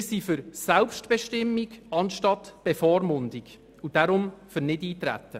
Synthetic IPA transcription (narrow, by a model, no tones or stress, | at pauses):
sifʏɾsælpʃtb̥ɛʃtɪmːiɡɑnʃtɑtb̥efɔːɾmʊnd̪iɡ | ud̥æɾʊmfʏɾnɪdiːtɾæ̰tːə